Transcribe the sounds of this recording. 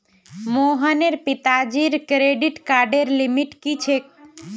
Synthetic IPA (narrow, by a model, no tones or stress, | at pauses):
moɦəneɾpit̪ad͡ʒiɾkɾeɖiʈkaɾɖeɾlimiʈkit͡ʃʰek̚